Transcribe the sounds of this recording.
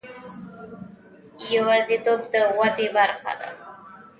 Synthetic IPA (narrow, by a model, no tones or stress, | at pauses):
jawazid̪obd̪əwad̪ebaɾxa̰d̪a̰